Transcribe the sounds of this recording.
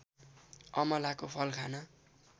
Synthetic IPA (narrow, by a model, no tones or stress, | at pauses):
ʌmʌlakopʰʌlkʰanʌ